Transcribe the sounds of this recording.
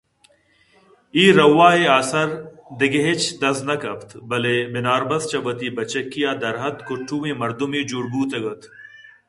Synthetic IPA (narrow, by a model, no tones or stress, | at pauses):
iːɾɐwaːeaːsɐɾd̪ɪɡeɦet͡ɕd̪ɐznɐkɐpt̪bɐlebɪnaːɾbɐst͡ɕɐʋɐt̪iːbɐt͡ɕɐkːijaːd̪ɐɾɦɐt̪kʊʈʰːuːẽːmɐɾd̪umiːd͡ʒuɾbuːt̪ɐɡɐt̪ʰ